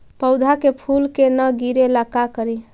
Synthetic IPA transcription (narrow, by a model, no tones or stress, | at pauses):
pəʊd̪ʱakepʰulkenəɡiɾeləkakəɾi